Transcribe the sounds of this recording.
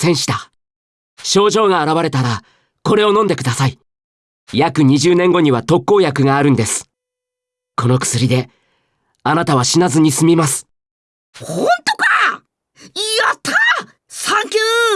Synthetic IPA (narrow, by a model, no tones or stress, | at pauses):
sẽ̞ɰ̃ɕi̥t̪a | ɕo̞ːʑo̞ːɡaːɾaβ̞aɾe̞t̪aɾa | ko̞ɾe̞o̞nõ̞nd̪e̞kɯ̟d̪asai | jakɯ̟ɲ̟iʑɨːnẽ̞ŋɡo̞ɲ̟iβat̪o̞kːo̞ːjakɯ̟ɡaːɾɯ̟̃nd̪e̞sɨ̥ | ko̞no̞kɯ̟̥sɨɾʲid̪e̞ | anat̪aβ̞aɕinazɨɲ̟isɨmʲimasɨ̥ | hõnt̪oka | iat̪ʰːa | sãŋkʲɨː